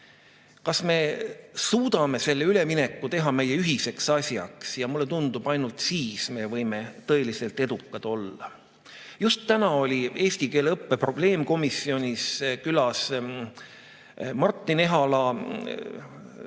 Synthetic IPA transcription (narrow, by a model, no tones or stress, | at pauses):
kɑsme̞suːd̪̥ɑme̞se̞lːeyle̞mine̞kːˑut̪e̞ɦɑme̞jːe̞yɦise̞ksɑsʲjɑ̰ksjɑmulːe̞t̪und̪ub̥ɑjnult̪siːsme̞vɤ̞jme̞t̪ɤe̞lise̞lt̪e̞d̪ukˑːɑd̪̥o̞lːɑ̰ | just̪ːænɑo̞lʲie̞ːsʲt̪ikeːleɤpːe̞pro̞b̥le̞ːmko̞misio̞nʲiskylɑs | mɑrt̪ˑːine̞ɦɑlɑ